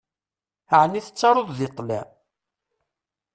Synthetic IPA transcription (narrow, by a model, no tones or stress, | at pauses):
əʕnːiθə̥t͡sːɑɾˤoðˤðet̪ˤːlæ̰